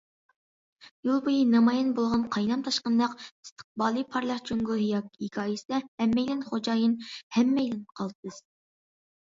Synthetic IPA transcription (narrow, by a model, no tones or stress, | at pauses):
julˠbojinɑmɑjɑnbolˠʁɑnqʰɑjnɑmt̪ʰɑʃqənd̪ɑqi̥st̪ʰə̥χ̚bɑːlˠɨpʰɑɾlˠɑqt͡ʃʰøŋɡuɦjɑːkʲiikʲʰɑːjisɛhɛmːɛjlɪnχod͡ʒɑːjɨnhɛmːɛjlɪnqʰɑlˠd̪ɨd̪ɨz̥